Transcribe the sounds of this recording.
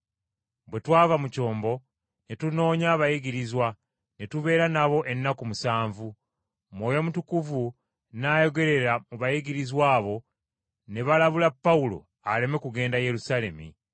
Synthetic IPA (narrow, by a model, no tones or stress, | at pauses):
bwe̞twaːvamuco̞ːmbo̞ | netuno̞ːɲaβajiɡiɾizwa | netuβe̞ːɾanaβo̞ʔe̞nːakumusaːɱvu | mwo̞ːjo̞mutukuvu | najo̞ɡe̞ɾe̞ɾamuβajiɡiɾizwaːβo̞ | ne̞βalaβulapːaulo̞̰ | ale̞me̞kuɡe̞ːndaje̞ɾusale̞mḭ